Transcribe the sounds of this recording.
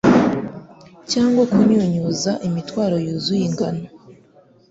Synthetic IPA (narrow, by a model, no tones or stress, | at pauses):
caːŋɡwakuɲuɲuzaʔimitwaːɾo̞juːzujiŋɡano